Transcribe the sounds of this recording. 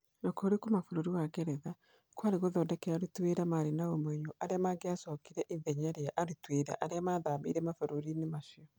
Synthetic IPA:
nɔkoɾikomafoɾoɾiwaɣɛɾɛða | kwaɾeɣoðɔdɛkɛaɾutweːɾamaɾenaomwɛɲoʔaɾeamaːɡeasɔkiɾɛʔiðɛɲaɾeaʔaɾutweːɾa̰ʔaɾeamaðaːbḭːɾɛmafoɾoɾinemaʃiɔ

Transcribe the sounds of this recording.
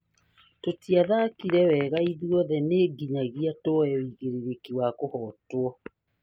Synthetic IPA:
totiaðakiɾɛwɛɣaiðiɔðɛneːɡiɲaɣiatoɛwiɣeɾeɾekiwakohɔtwɔ

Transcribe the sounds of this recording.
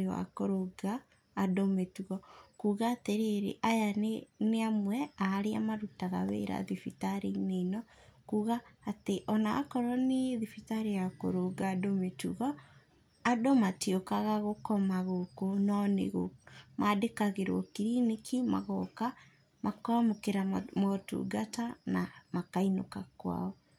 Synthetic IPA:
wa̰koɾoɡaː | dometuɣɔkuːɣateɾeɾḛʔajaneneamwɛaːɾeamaɾutaɣa̰wḛɾa̰ðifitaɾineinɔ | kuːɣaːteʔɔnaːkɔɾɔneðifitaɾejako̰ɾoɡaːdometuɣɔ | adomatiokaɣaɣokɔmaɣokonɔnḛɣomadekaɣeɾwɔkiɾinikima̰ɣɔka | makwamokeɾamɔtṵɡatanamakainokakwa̰ɔ

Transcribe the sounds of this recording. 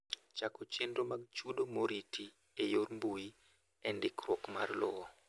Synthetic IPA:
t͡ʃakot͡ʃendomaɡ̚t͡ʃudomoɾitʰi | ejoɾmbuji | ɛndikɾɔkmarlɔɔ

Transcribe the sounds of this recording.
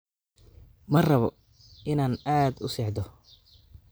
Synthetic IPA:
mɐrɐβɔ | ʔɪnaːnaːd̪ʊsɛːħd̪ɔ

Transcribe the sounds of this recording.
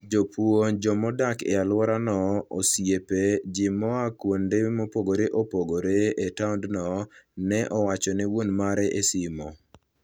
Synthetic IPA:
d͡ʒopwond͡ʒɔmɔdakɛ̰alwɔɾanɔosjeped͡ʒɪmɔakwondemopoɡoɾeʔopoɡoɾeetaʊndnɔnɛʔɔwat͡ʃɔnɛwonmaɾɛʔesɪmɔ

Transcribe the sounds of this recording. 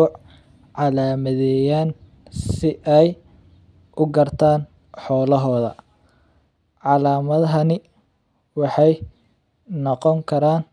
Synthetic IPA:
ʕɑlaːmɐðɛjaːn | sɪʔɛj | ʔʊɡɐrt̪ʰaːn | ħɔːlɐɦɔːðɐ̰ | ʕɑlaːmɐðɐɦɐnɪ | wɑħɑj | nɔqɔŋkʰɐɾaːn

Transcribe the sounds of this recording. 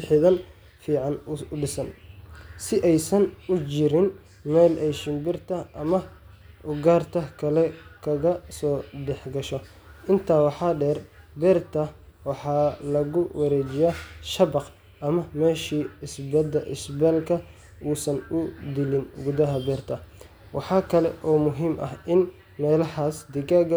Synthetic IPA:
ħɪðɐn | fiːʕɑnʊɖɪsɐnsɪʔɛjsɐnʊt͡ʃɪɾɪn | mɛːlʔɛjʃɪmbɪrt̪ʰɐʔɐmɐ | ʔʊɡaːrt̪ʰɐkʰɐlɛkʰɐɣɐsɔːɖɛħɡɐʃɔ | ʔɪnt̪ʰaːwɑħɑːɖɛːrbɛrt̪ʰɐwɑħɑːlɐɣʊwɐɾɛːt͡ʃɪjaːʃɐbɑq | ʔɐmɐmɛːʃiːɪsbɐd̪ɐʔɪsbɛːlkʰɐ | uːsɐnʊd̪ɪlɪnɡʊðɐɦɐbɛːrt̪ʰɐ | wɑħɑːkʰɐlɛ̰ʔɔːmʊɦiːmʔɐ̰hʔɪn | mɛːlɐhaːsd̪ɪɡaːɡ

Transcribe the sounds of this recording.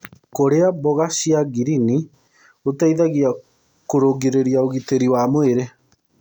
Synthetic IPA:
koɾeabɔɣaɕiaɡiɾini | otaiðaɣia | koɾoɡeɾeɾiaoɣiteɾiwamoeɾe

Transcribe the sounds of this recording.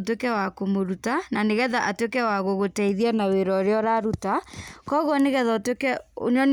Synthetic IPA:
t̬wekɛwakomoɾutananeɣɛðaʔatwekɛwaɣoɣotɛiðianaweɾɔɾeɔɾaɾutakɔɣɔneɣɛðatwekɛo̰ɲɔn

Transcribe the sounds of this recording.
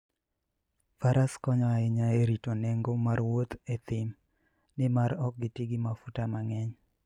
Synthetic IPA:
faɾaskɔɲɔɛɲaeɾitonɛŋɡomarwot̪et̪ɪm | nɪmaɾɔk̚ɡɪtiɡɪmafutamaŋɛɲ

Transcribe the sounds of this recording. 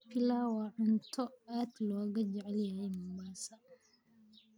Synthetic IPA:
pʰɪlaːwɑːʕʊnt̪ʰɔaːd̪lɔːɣɐd͡ʒɛʕɛljɐhɛjmʊbaːsɐ

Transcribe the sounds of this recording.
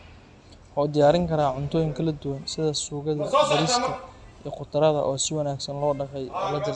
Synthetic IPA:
wħɑːd̪ɪjaːɾɪŋkʰɐɾaːʕʊnt̪ʰɔːjɪŋkʰɐlɐd̪ʊwɐnsɪðɐsuːɣɐðɐbɐɾɪsk̪ʰɐiːqʊt̪ʰɐɾɐðɐ̰ʔɔːsɪwɐnaːɡsɐnlɔːɖɐqɛjlɐd̪ɪr

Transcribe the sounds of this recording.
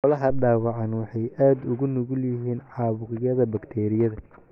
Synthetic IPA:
ɔlɐɦɐɖaːwɑʕɑnwɑħɑjʔaːd̪ʊɣʊnʊɣʊljɪɦiːnʕɑːβʊʁɪjɐðɐbɐkt̪ʰɛːɾɪjɐðɐ

